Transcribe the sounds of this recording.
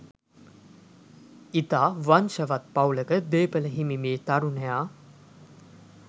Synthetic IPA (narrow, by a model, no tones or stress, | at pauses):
it̪aːʋanʃəʋat̪̚pawləkəd̪eːpələɦimimeːt̪aɾunəjaː